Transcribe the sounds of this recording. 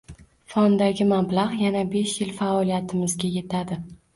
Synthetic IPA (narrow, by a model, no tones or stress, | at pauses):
fɒnd̪aɡʲɪmablahjanabe̞ʃjɪlfaɒlijat̪ʰɪmɪzɡʲaje̞t̪ʰad̪ɪ